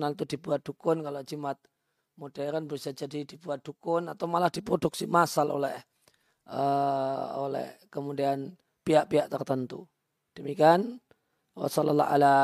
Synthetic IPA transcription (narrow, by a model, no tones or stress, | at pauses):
nalt̪udibuat̪̚dukʊnkalod͡ʒimat̪̚ | modɛɾənbəɾusad͡ʒadidibuat̪̚dukʊnat̪awmalahdipɾoduksimasalʔo̰lɛ̰h | ʔə | o̰lɛ̰hkəmudian | piaʔpiaʔt̪ərt̪ənt̪ṵ | d̥əmikian | wa̰salalːa̰ɦa̰la